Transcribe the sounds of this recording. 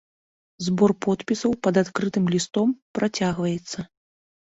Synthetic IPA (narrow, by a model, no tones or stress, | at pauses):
zbɔrpɔt̪pʲisɐwpɐd̪at̪kɾɨt̪ɨmlʲist̪ɔmpɾʔat͡sʲaɣvɐjɛt̪sːɐ